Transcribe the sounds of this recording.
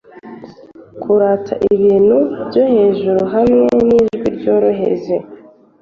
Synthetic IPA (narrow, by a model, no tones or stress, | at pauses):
kʰuɾatʰa̰ʔiiβiːn̥hubɟo̞he̞ːʒuɾoɦamŋeniːʒɡwiɾɟo̞ːɾo̞ɦe̞̰ze̞